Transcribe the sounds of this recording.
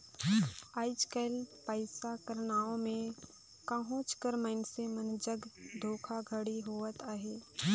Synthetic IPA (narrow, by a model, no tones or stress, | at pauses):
aːɪd͡ʒkəlpəɪsakəɾnaːõmẽ | kəɦõːt͡ʃkəɾmənsemənd͡ʒəɡd̪ʱoːkʰaɡʱəɽiɦoːət̪aːɦeː